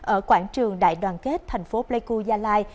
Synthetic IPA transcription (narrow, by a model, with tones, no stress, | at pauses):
ʔəː˧˩kwaː˧˩nt͡ɕɨ˨˩əŋɗa̰ː˧˨jɗwaː˨˩nke˦˥t̚t̪ʰɛ˨˩jŋ̟fo˨˦ple˧jku˧zaː˧laː˧j